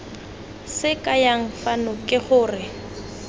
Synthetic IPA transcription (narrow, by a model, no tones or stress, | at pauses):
sɪkʼajaŋ̩fanʊkʼɪχʊːrɪ